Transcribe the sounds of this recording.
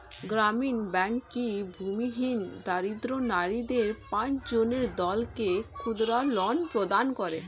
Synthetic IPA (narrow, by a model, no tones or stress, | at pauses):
ɡɾaminbɛŋkːibʱumiɦind̪aɾid̪ɾonaɾid̪eɾpãt͡ɕd͡ʑoneɾd̪ɔlkekʰud̪ɾalɔnpɾod̪ankɔɾe